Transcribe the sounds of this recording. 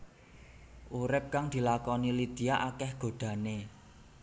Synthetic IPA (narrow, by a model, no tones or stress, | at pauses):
ʔuɾɪp̚kaŋd̪̥i̤lakɔnilid̪̥i̤aʔakɛhɡ̥o̤ɖ̪̥ä̤ne